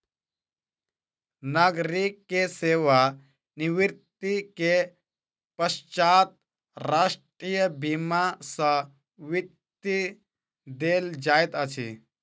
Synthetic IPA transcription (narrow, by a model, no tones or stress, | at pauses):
naːɡɾikːeseːʋa | niʋiɾt̪ike | pəʃt͡ʃaːt̪̚ | ɾaːʂʈɾijəbimasə̃ | ʋit̪ːi | d̪eːld͡ʒaːjt̪ət͡ʃʰḭ